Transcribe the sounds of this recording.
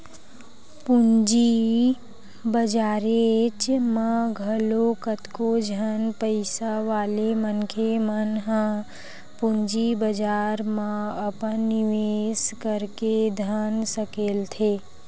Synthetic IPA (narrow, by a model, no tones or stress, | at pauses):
pund͡ʒi | bəd͡ʒaːɾet͡ʃmãɡʱəlokət̪kod͡ʒʱənpəɪsaʋaːlemənkʰemənɦã | puɲd͡ʒibəd͡ʒaːɾmãəpənːɪʋeːskəɾked̪ʱənsəkeːlt̪ʰeː